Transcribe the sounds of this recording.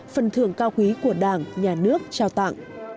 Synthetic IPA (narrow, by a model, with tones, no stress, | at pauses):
fə˨˩nt̪ʰɨ̰˧˩əŋkaː˧wkwi˨˦ku˧˩əɗaː˧˩ŋɲaː˨˩nɨ˦˥ək̚t͡ɕaː˧wt̪a̰˧˨ŋ